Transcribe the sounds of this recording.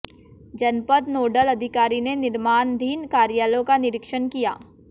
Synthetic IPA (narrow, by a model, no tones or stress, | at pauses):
d͡ʒɐnpət̪noːɖəlɐd̪ʱɪkaːɾinenɪɾmaːnd̪ʱiːnkaːɾjaːlõkanɪɾɪkʃənkija̰ː